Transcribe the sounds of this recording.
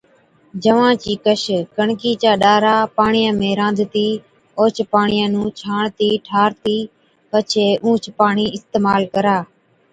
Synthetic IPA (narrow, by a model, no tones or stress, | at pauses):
d͡ʒəʋãːt͡ʃiːkəʃkəɳkiːt͡ʃaːɗaːɾaːpaːɳɪjãːmẽːɾãːnd̪ʱt̪iː | oːt͡ʃpaːɳɪjãːnũːt͡ʃʰaːɳt̪iːʈʰaːɾt̪iː | pət͡ʃʰeːʔũːt͡ʃpaːɳiːɪst̪eːmaːlkəɾaː